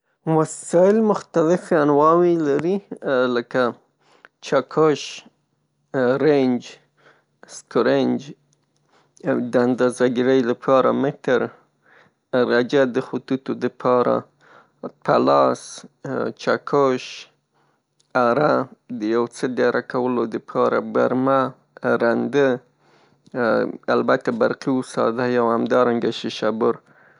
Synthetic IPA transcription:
wasɑɪlmʊxt̪alɪfanwɑwelaɾiləka | t͡ʃakʰoʃ | ɾend͡ʒ | skoɾend͡ʒ | d̪əand̪azaɡɪɾəjlapʰɑɾa̰mɪt̪əɾ | ɾad͡ʒad̪əxʊt̪ut̪od̪əpʰɑɾa̰ | pʰalɑs | t͡ʃakʰoʃ | aɾad̪əjawt͡səd̪aɾʔakawəlod̪əpʰɑɾa̰baɾma | ɾand̪ə | albat̪abaɾqiusɑ̰d̪ajawhamd̪ɑɾaŋɡaʃɪʃabʊɾ

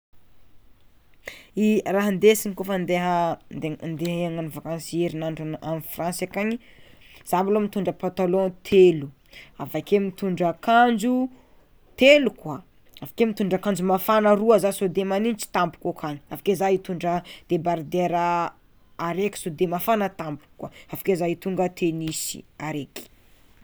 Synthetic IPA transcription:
iraɦənd̪esiɲikofənd̪eɦə | nd̪eɦəeaŋanuvakanseɾinaɳɖ͡ʐanamifrãnsakaɲi | z̥abalomit̪uɳɖ͡ʐəpat̪alõt̪ʰelu | avakemit̪uɳɖ͡ʐakʰand͡ʒu | t̪elukwa | avakemit̪uɳɖ͡ʐakand͡ʒumafanəruazasod̪emanint͡ʃi̥t̪ampu̥kokʰaɲiavḁkezait̪uɳɖ͡ʐəd̪̥ebaɾd̪eɾəː | ɾekʲi̥sod̪emafanət̪ampu̥kːwaavḁkezait̪uŋɡət̪ʰenisḭaɾeki̥

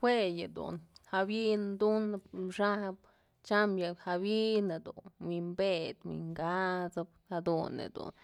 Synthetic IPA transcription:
xʷwejad̪ṵnhabind̪unʂab | t͡ʃamjahabinad̪ṵnmimbed̪mḭŋɡat͡sabhad̪unḛd̪ṵn

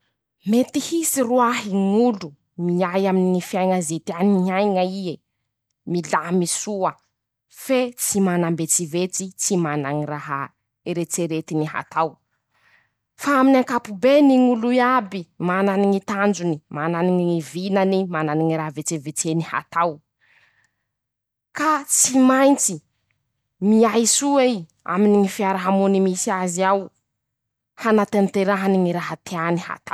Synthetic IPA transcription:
met̪ihisiruaɦiŋulu | miajaminiŋifiajŋazet̪ianiɲajŋaie | milamisuə | fet͡simanambet͡sivet͡sit͡simanaŋiraɦa | eɾet͡seɾet̪iniɦa̰t̪ʰaw | faaminaŋkapubeniŋuluiabimananiŋit̪and͡ʒunimananiŋiivinanimananiŋiɾaɦvet͡sevet͡seniha̰t̪aw | kat͡simajnt͡si | miajsuei | a̰miniŋifiaɾaɦamunimisiaziaw | hanat̪ent̪eɾaɦaniŋiɾaɦat̪eaniha̰t̪a

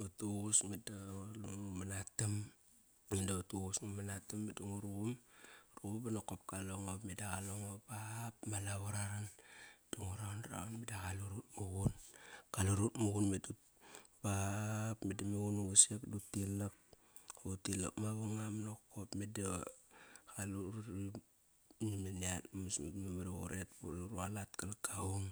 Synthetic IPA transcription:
utuɣusmedaluŋumanatam | midautuɣusŋumanatamːeduŋuɾumɾubanokop̚kaloŋomedaɣaloŋobapmalaβaɾaɾand̥uŋuɾanɾa̰anmedakaluɾut̚muɣunkaluɾutmuɣunmetut | bapmedameɡunuɡusekdutilak̚ | utila̰kmaβaŋamanokopmeda | kaluɾɾi | nimeniatamusmḭkmameɾaɣo̰ɾetbuɾɾualatkalakːauŋ

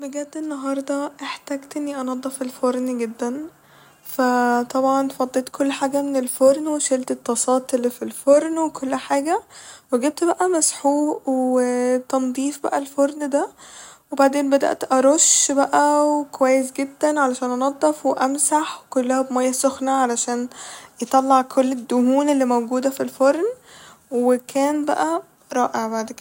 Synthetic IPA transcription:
beɡæt̪ːenːɑɦɑɾˤd̪ˤɑʔeħt̪æːɡt̪ʔenːiʔɑnɑd̪ˤːɑfelfoɾˤnɡed̪ːæn | fæt̪ˤɑbʕɑnfɑd̪ˤːet̪kʰolːħaːɡæmenelfoɾˤnweʃelt̪et̪ːɑsˤɑːt̪elːifilfoɾˤnwekʰolːħaːɡæweɡeb̚t̪bæʔæmæsħuːwet̪ɑnd̪ˤiːfbæ̰ʔælfoɾˤnd̪æwebaʕd̪eːnbæd̪æ̰ʔt̪ʔɑɾˤoʃbæʔæwekowæjːes̬ɡed̪ːænʕalæʃæːnʔɑnɑd̪ˤːɑfweʔæmsaħwekolːæhæbmæjːæsoxnæʕalæʃæːnjet̪ˤɑlːɑʕkʰolːed̪ːʊhuːnelːimæwɡuːd̪æfilfoɾˤn | wekʰæːnbæ̰ʔæ | ɾˤɑːʔeʕbaʕd̪k̪

